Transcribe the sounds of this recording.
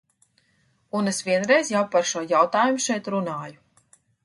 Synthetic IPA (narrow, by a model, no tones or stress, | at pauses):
unesviɛnɾɛjzjawpaɾʃuɔjawt̪aːjumuʃɛjt̪ɾunaːju